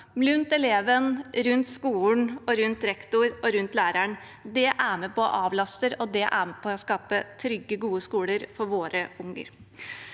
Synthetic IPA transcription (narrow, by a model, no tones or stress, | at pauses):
lʉnt̪ɛleːʋənɾʉnt̪skuːlɳɔɾʉnt̪ɾɛkt̪ʊɾɔɾʉnt̪læːɾæɳ | d̪ɛʔæmepʰɔ̰ːʔɑːʋlɑst̪əɾɔd̪ɛʔæmepʰɔːskɑːpət̪ʰɾʏɡːəɡuːəskuːləɾfɔɾʋoːɾəʊŋə̰ɾ